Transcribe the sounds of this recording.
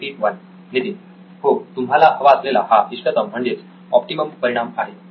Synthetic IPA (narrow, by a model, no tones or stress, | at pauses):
iːʈʋən | nit̪in | hot̪umɦalaɦəʋaəslelahaʔiʂʈət̪əm̤ːəɳd͡ʑet͡s | ɔpʈiməmpəɾiɽ̃amaɦe